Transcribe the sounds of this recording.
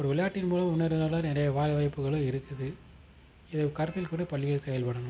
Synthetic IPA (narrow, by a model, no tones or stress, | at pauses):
ɔɾɯʋɪɭɐjaːʈːɪnmuːlɐmʊnːɐɾɯnɐːɾlaːɾɛnɾɐjɐʋaːlɐʋɐɪpːɯɣɐɭɯ̃ɪɾɯkːɯðɯ | ɪðɐkɐɾɐt̪ːɪlkuɽɯpɐɭːɪɣɐɭsɛjɐlpɐɽɐnɯm